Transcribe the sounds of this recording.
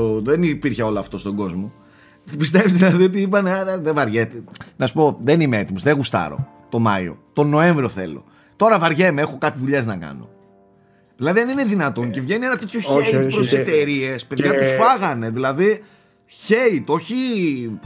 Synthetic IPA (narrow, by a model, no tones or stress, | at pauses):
oðenipiɾçeo̞lɐːft̪o̞st̪o̞ɡo̞zmo̞ | pis̬t̪evizðilɐðio̞t̪̬iip̬ɐneɐðevɐɾʝet̪enɐsu̥po̞ðenimeet̪imo̞zðeɣust̪ɐ̰ɾo̰ | t̪o̞mɐio̰t̪o̞no̞e̞ɱvɾio̞θe̞̰lo̞̰ | t̪o̞ɾɐvɐɾʝe̞meexo̞kɐt̪iðuʎeznɐkɐ̰no̞̰ | ðilɐðiɐnine̞ðinɐt̪o̞nce̞vʝe̞nienɐt̪et̪çoçeit̪upɾoset̪e̞ɾie̞spe̞ðʝɐt̪usfɐɣɐne̞ðilɐði | çeit̪o̞çi